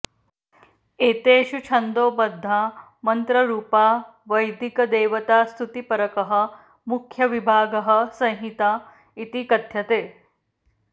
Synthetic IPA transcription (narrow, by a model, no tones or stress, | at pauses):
eːt̪eːʃut͡ʃʰɐnd̪oːpɐd̪ʱːaː | mɐnt̪ɾɐɾuːpaː | ʋɐjd̪ikɐd̪eːʋɐt̪aːst̪ʰut̪ipɐɾɐkɐɦɐ | mukʰjɐʋibʱaːɡɐɦɐsɐ̃j̃ɦit̪aː | it̪ikɐt̪jɐt̪eː